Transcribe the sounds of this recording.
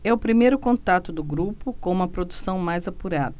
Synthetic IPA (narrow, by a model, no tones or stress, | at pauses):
ɛʊpɾimejɾʊkõt̪at̪ʊd̪ʊɡɾupʊkõũmɐpɾod̪usɐ̃w̃majzapuɾad̪ɐ